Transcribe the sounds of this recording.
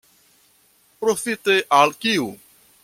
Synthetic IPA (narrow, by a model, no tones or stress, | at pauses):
pɾofit̪eʔalkiu